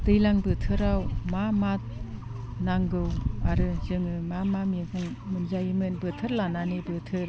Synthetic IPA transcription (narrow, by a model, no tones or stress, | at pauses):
dɯjlaŋbɯtʰɯɾawmamat̚ | naŋɡɯwaɾɯzɯŋɯmamamikɯjmɯnzajimɯnbɯtʰɯɾlananɯbɯtʰɯɾ